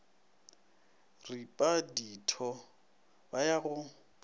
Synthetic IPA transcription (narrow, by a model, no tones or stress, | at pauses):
ripʼaditʰɔ | bajaɣʊ